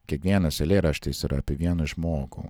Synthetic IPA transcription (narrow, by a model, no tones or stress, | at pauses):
kʲiɛkʋʲiɛnɐsɛlʲeːɾɐʃt̪ɐɪsiɾɐɐpʲeʋʲiɛnɐʒmoːɡʊ̰